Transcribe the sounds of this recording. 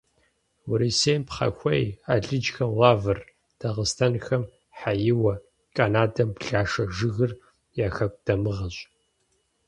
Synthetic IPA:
wʊɾiseːmpχɐ̰xʷɐ̰jaːɮɨd͡ʒxɐwaːvɨr | d̥ɐʁəstʰɐnxɐm | ħajɪwɐ | kʼanaːdɐmbɬaːʂɐʒɨɣɨr | jaːxɐk̚ʷʼd̥ɐmɨʁɐɕʼ

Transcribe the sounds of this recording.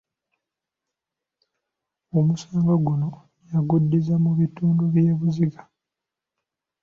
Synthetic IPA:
omusaːŋɡaɡuno̞ | jaɡudːizamuβituːnduβjeːβuziɡḁ

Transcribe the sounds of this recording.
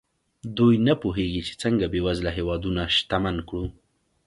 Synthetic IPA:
d̪ujnapuɦeɡit͡ʃe̥t͡səŋɡabewazlaɦewɑd̪unaʃt̪amankɽu

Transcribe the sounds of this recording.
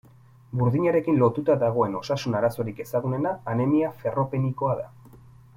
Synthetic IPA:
buɾðiɲaɾe̞kinlo̞t̪ut̪aðaɣ̞o̞e̞no̞sasunaɾaso̞ɾike̞saɣ̞une̞naːne̞miafe̞ro̞pe̞niko̞aða

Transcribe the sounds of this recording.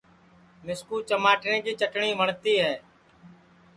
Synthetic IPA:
mɪskuːt͡ʃəmaːʈnẽːd͡ʒiːt͡ʃəʈɳiːməɳt̪iːɦɛː

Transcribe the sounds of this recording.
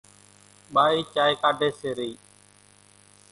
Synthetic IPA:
ɓaːiːt͡ʃaːiːkaːɖʱeːseːɾiː

